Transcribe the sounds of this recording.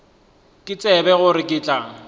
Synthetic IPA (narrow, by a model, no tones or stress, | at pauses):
kʼɪt͡sʼɛbɛɣʊɾɪkʼɪːt͡ɬʼaŋ